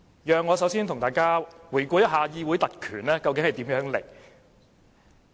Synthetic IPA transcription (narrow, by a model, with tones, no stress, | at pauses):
jœː˨ŋːɔː˨˧sɐ˨˥wsiː˥nt̪ʰʊ˨˩ŋt̪aː˨jkaː˥wu˨˩jkʷɔː˧jɐ˥t̚ɦaː˨˧jiː˥wu˨˥jt̪ɐ˨t̚kʰyː˨˩nlɛː˥kɐ˧wkɪ˨˥ŋhɐ˨jt̪iː˨˥mjœː˨˥ŋlɪ̰˨˩k̚